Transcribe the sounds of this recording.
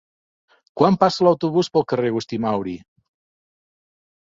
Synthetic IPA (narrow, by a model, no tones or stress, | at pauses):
kwampasəlawt̪uβuspəlˠkəreɣust̪imawɾi